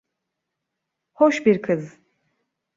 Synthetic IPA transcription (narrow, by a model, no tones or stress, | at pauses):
hoʃbiɾkʰɯz